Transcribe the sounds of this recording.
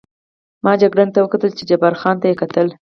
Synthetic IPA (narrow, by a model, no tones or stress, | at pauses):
mɑd͡ʒaɡɽant̪awəkat̪əlt͡ʃed͡ʒabaɾxɑnt̪ajekat̪əl